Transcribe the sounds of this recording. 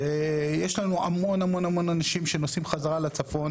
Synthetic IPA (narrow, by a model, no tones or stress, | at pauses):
ejeʃlanuʔamo̞namo̞namo̞nanaʃimʃe̞no̞simχazaʁalat͡safo̞n